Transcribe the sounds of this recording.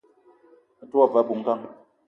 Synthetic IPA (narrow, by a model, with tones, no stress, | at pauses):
twa˦˨va˨˦bu˨˦ŋ̩˦ka˦˨ŋ